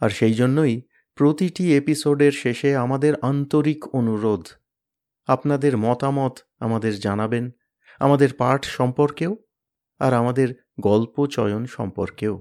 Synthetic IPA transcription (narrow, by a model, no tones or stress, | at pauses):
aɾʃejd͡ʑonːoj | pɾot̪iʈiepisoɖeɾʃeʃeamad̪eɾʔant̪oɾikonuɾod̪ʱ | apnad̪eɾmɔt̪amɔt̪ | a̰mad̪eɾd͡ʑanaben | a̰mad̪eɾpaɾʈʰʃɔmpoɾkeo | a̰ɾamad̪eɾ | ɡɔlpot͡ɕɔjonʃɔ̰mpo̰ɾkeo